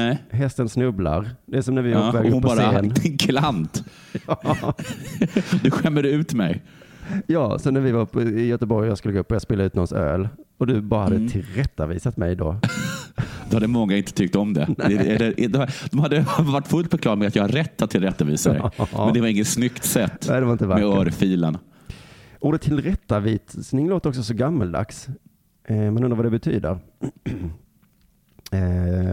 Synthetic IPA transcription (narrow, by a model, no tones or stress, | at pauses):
ɛɦɛst̪ənsnɵbla̰ɾd̪ɛæsɔmnæɾvɪvaɔvɛːɡ̪ʊnpʰːbːɾaeːnɪnkʰlant̪ | jɑ | d̪ɵɧɛmːəd̪əʉ̟ːt̪mɛj | jɑːsɔmnæɾvɪvapʰɔɪjœt̪əbɔɾjjɑɡskɵlːəɡoɵpːɔjɑɡspeːlaʉ̟t̪nɔnsø̰ːlɔd̪ɵbɑːɾahad̪ːət̪ʰɪlɾɛt̪ːaviːsat̪mɛjd̪ɔ | d̪ɵhad̪ːəmɔŋːaɪnt̪ə̥t̪ʰʏk̚t̪ɔmd̪ɛ̰nɛɛlːəɾd̪ɛad̪̥ɔmhad̪ːəvaʈːfɵlt̪fœɾkʰlɑːɾmɛat̪jɑɡhaɾɛt̪ʰːat̪ʰːɪlɾɛt̪ːavḭːsaə̰ɛnd̪ɛvaɾɪŋːət̪snʏk̪sɛt̪ːæːd̪ɛvaɾɪnt̪əvamɛœɾfiːlən | oːd̪ət̪ʰːɪlɾɛt̪ːaviːt̪snɪŋloːt̪əɾɔksɔsɔɡamːald̪a̰ks | mɛnɵnd̪ɾvad̪ɛbɛt̪ʰyːd̪ə̰ɾ